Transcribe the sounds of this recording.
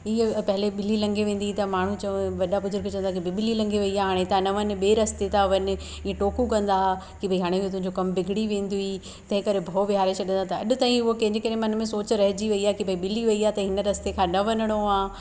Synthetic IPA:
ɪpɐɦɪleɓɪlilɐ̃ŋɡʱeʋẽːn̆d̪it̪ɐmaːɳ̤ũt͡ɕɐ̃ʋɐɗabʊzʊɾkt͡ɕɐ̃ə̃nd̪akibʱɪiɓɪlilɐ̃ŋɡʱeʋɐiaːɦaːɽ̃et̪anɐʋɐnɪ̆ɓeːɾɐst̪et̪aʋɐnɪ̆ | iẽʈoːkukɐ̃nd̪a | kibʱɐiɦaːɽ̃eɪɦot̪̬ʊ̃ɦɪ̃ɲd͡ʑokɐmbɪɡʱɪɽiʋẽːnd̪ui | t̪ɐ̃ɦɪ̃kɐɾebʱoːʋɪɦaːɾet͡ɕʰɐɗə̃nd̪at̪ɐɐ̰ɗʊ̆t̪aːɦĩʊɦokɐ̃ɦɲd͡ʑekɐɾemɐn̆mẽsoːt͡ɕɾɐɦɪd͡ʑiʋɐiaːkibʱɐiɓɪliʋɐiaːt̪ɐɦɪnəɾɐst̪ekʰãːnɐʋɐnəɽ̃oaː

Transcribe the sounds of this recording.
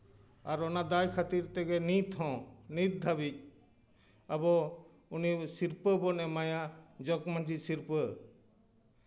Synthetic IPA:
aɾɔnad̪ajkʰat̪iɾt̪ɛɡɛnit̪ɦɔ̃nit̪̚d̪ʱabic̚ | abɔ | unisiɾpəbɔnɛmajad͡ʒɔkmãd͡ʒisiɾpə

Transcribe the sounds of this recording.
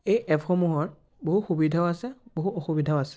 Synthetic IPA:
ejʔɛpxɔmuɦɔɹ | boɦuxubidʱaʊasɛboɦuɔxubidʱaʊasɛ̥

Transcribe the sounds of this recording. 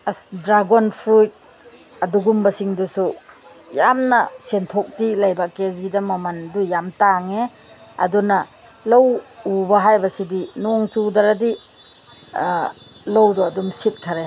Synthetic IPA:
dɾaɡonpʰɾut̚ | ɐduɡumbɐsiŋdusu | jamnɐsentʰok̚tilɐjbakezidɐmɐmɐndujamtaŋe | ɐ̰dunɐ | lowubɐɦajbɐsidinɔŋsudɐɾɐdi | lowduɐdumsit̚kʰɐɾe

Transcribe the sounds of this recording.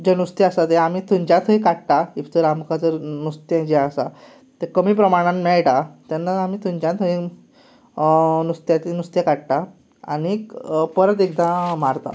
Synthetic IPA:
d͡ʑenust̪iasat̪ɛam̤it̪ʰũɲd͡ʑãt̪ʰɦəjkaʈʈ̪aipʰt͡s̪əɾamkat͡səɾnust̪jẽd͡ʑɛasa | t̪ekəmiːpɾəmaɽ̃ãmmɛɭʈat̪anːaamiːt̪ʰũɲd͡ʑjãt̪əĩ | nust̪jãt̪inust̪jẽkaʈʈ̪a | a̰ɽipəɾət̪̬ekd̪ãmaɾt̪a̰

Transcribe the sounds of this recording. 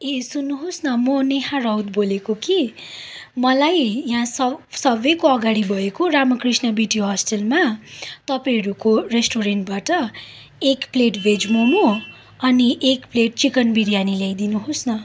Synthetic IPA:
esunːuɦosnʌmʌneɦãrʌwt̪bolekoki | mʌlajjɦãsʌsʌbekoʌɡaɽibʱʌekoɾamʌkrisnʌbiʈiɦʌsʈelmat̪ʌpãɾukoresʈoɾeɳʈ̚baʈʌ | ekpleʈbʱed͡zmono | ʌniʔekpleʈ̚t͡sikʌnbiɽjanilejd̪inuɦosnʌ

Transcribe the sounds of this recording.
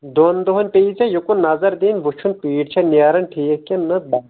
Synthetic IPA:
d̪ond̪oɦɐnʲpeit͡sʰɐjukunnːɐzɐɾd̪eːnʲʋut͡ʃʰunpiːɖt͡ʃʰɐnjaːɾɐnʈʰiːkkʲɐnɐbɐ

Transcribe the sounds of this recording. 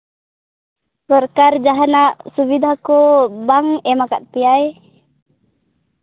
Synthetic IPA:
pɔrkard͡ʒaɦanaʔsubid̪akobaŋɛmakat̪̚piaj

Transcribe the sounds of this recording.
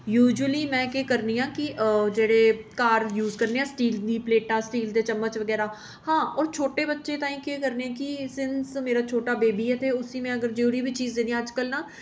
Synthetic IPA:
juːd͡ʒəliːmɛ̃ːkeːkəɾniːãːkɪd͡ʒeːɽeːkaːɾjuːzkəɾnẽːãːsʈiːld̪iːpleːʈãːsʈiːld̪eːt͡ʃəmːət͡ʃʋəɡɛːɾaː | hãːɔːɾt͡ʃʰoːʈeːbətːʃẽːt̪ãːĩːkeːkəɾneːãːkɪsɪnsmeːɾaːt͡ʃʰoːʈaːbeːbiːɛːt̪ʰeːʊsiːmɛ̃ːəɡəɾd͡ʒoːɾiːbiːt͡ʃiːzd̪ẽːd̪iãːəd͡ʒkəlnaː

